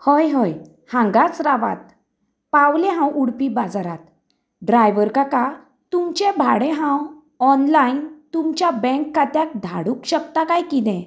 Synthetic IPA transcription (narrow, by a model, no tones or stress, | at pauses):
həjɦəj | hãŋɡat͡sɾaʋa̰t̪̚ | pawleɦãwʔuɽpibad͡zaɾa̰t̪ | ɖɾajʋəɾkaka | t̪umt͡ɕɛbʱaɽẽɦãw | ɔnlaint̪umt͡ɕjabɛ̃ŋkːat̪jak̚d̪ʱa̰ɽukɕək̚t̪akajkid̪ɛ̃